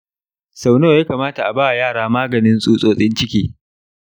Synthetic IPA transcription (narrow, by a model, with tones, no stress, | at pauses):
sa˨wno˦˨jaː˦kaː˨maː˦ta˨ʔa˨baː˦˨wa˨jaː˦˨ɽaː˦maː˦ɡɐ˨nɪ˦nsʼuː˦sʼoː˦sʼɪ˦nt͡ʃɪ˦kʲiː˦